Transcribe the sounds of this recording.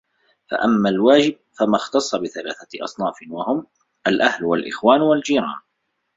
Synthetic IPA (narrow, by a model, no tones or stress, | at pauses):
fa̰ʔamːalwaːd͡ʒɪb̚famaxt̪ɑsˤːɑbɪθalaːθaʔɑ̰sˤnɑːfɪwahʊm | ʔalʔahlwalʔɪxwaːnwald͡ʒiːɾˤɑ̰ːn